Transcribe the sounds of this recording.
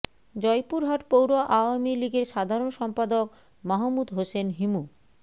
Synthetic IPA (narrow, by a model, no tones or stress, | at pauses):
d͡ʑɔjpuɾɦaʈpowɾoʔaoamiliɡeɾʃad̪ʱaɾonʃɔmpad̪ok | maɦomud̪ɦosenɦimu